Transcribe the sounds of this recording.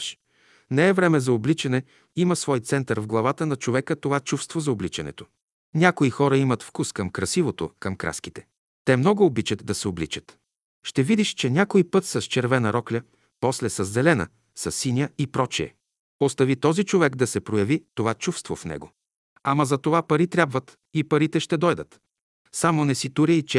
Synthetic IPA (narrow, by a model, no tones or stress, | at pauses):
ʃ | nɛɛvɾɛmɛzɐoblit͡ʃɐnɛ | imɐsvɔjt̪sɛnt̪əɾvɡlˠɐvat̪ənɐt͡ʃovɛkət̪ovat͡ʃufst̪vozɐoblit͡ʃɐnɛ̰t̪o̥ | nʲakoixɔɾəimət̪fkuskɐmkɾɐsivot̪o̰kɐmkɾa̰skit̪ɛ̥ | t̪ɛmnɔɡʊːbit͡ʃət̪d̪ɐsɛoblit͡ʃə̥t̪ | ʃt̪ɛvid̪iʃt͡ʃɛnʲakoipɤt̪sɐst͡ʃɛɾvɛnɐɾɔklʲə | pɔslɛsɐzːɛlɛnə̰ | sɐsːinʲəipɾɔt͡ʃiɛ̰ | ost̪ɐvit̪ɔzit͡ʃovɛkd̪ɐsɛpɾojɐvit̪ovat͡ʃufst̪vofnɛ̰ɡo̰ | amɐzɐt̪ovapɐɾit̪ɾʲabvət̪ | ipɐɾit̪ɛʃt̪ɛd̪ɔjd̪ət̪ | samonɛsit̪uɾʲəit͡ʃɛ